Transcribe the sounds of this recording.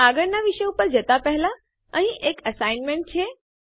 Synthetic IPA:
aɡəɽnaʋiʃəjupəɾd͡ʑət̪apəɦla | ə̃ɦĩʔekəsainmeɳʈ̚t͡ɕʰe

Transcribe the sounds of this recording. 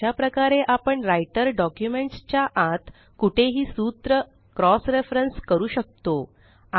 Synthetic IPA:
apɾəkaɾeʔapəɳɾajʈəɾɖɔkjumeɳʈst͡ɕjaʔat̪ | kuʈʰeɦiːsut̪ɾə | kɾɔsɾefɾənskəɾuːɕək̚t̪o | a

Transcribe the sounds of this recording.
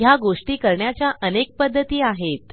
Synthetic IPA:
jaɡoʂʈiːkəɾɳjat͡ɕjaʔənek̚pəd̪ʱːət̪iːaɦet̪

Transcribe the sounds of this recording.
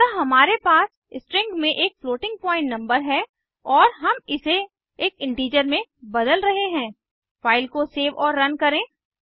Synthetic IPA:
tɐɦɐmaːɾepaːs | ɪsʈɾɪ̃ŋɡmẽʔeːk̚floːʈɪ̃ŋɡ̚pɔːɪ̃ɳʈnɐ̃mbəɾɦɛ | ɔːɾɦɐmɪse | eːkɪ̃ɳʈiːd͡ʒəɾmẽbɐd̪əlɾɐɦeɦɛ̃ː | faːɪlkoseːʋɔːɾːɐnkɐɾẽː

